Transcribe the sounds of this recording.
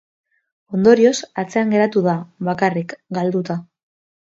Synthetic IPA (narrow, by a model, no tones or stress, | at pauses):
o̞nd̪o̞ɾio̞sat͡se̞aŋɡe̞ɾat̪uðaβakarikɡald̪ut̪a